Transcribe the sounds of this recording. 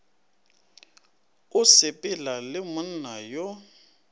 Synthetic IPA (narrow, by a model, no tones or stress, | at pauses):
ʊsɪpʼɪlalɪmʊn̩najo